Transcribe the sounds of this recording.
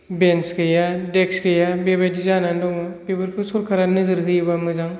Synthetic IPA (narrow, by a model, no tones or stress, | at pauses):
benskɯjadeksɡejabebajdizanandɔŋmabebɯɾkʰusʰuɾkʰaɾanɯzɯɾɦɯjbamɯzaŋ